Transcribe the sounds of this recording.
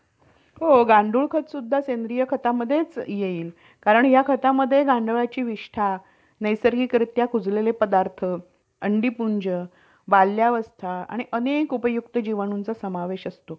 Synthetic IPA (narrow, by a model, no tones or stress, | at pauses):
ɦoɡãɳɖuːɭkʰət̪sud̪ʱːasend̪ɾijəkʰət̪aməd̪ʱːjet͡sjeiːl | kaɾəɳjakʰət̪aməd̪ʱːjeɡãɳɖəɭat͡ɕiːʋiʂʈʰa | nəjsəɾɡiːkɾit̪jakʰud͡zlelepəd̪aɾt̪ʰə | əɳɖipuɲd͡ʑə | ʋalːjaʋəst̪ʰaa̰ɽ̃iʔənekupəjukt̪əd͡ʑiʋəñunt͡sasəmaʋeɕəst̪o